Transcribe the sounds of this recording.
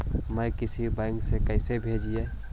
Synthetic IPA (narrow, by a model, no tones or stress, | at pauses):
məkɪsibɛ̃ŋksekəɪsebʱed͡ʒije